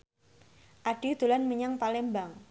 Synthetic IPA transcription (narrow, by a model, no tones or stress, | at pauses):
ʔaɖ̥id̪̥ulanməɲaŋpalɛmbaŋ